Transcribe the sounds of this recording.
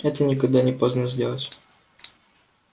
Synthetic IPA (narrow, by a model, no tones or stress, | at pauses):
ɛt̪ənʲɪkɐɡ̚d̪anʲɪpoznəzʲdʲelˠətʲ